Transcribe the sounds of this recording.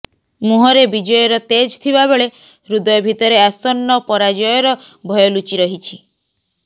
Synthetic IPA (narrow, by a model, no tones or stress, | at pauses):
muɦɔɾebid͡ʒɔjɔɾɔt̪ed͡ʒt̪ʰibabeɭe | ɾud̪ɔjɔbʱit̪ɔɾeasɔnːɔpɔɾad͡ʒɔjɔɾɔbʱɔjɔlut͡ʃiɾɔɦit͡ʃʰi